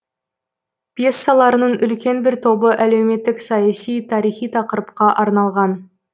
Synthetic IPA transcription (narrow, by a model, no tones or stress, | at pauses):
pje̞sːɑlˠɑɾənəɴʔʏlkʲe̞nbɪɾt̪ʰo̞bəʔæle̞wme̞t̪ːɪksɑjɑsijt̪ʰɑɾijχijt̪ʰɑqəɾəp̚qɑʔɑɾnɑlˠʁɑn